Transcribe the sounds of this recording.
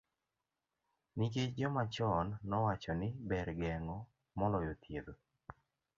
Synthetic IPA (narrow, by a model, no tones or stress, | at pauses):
nɪket͡ʃd͡ʒɔmat͡ʃɔnːɔwat͡ʃɔnɪbɛɾɡɛŋɔ | mɔlɔjot̪ʰjed̪o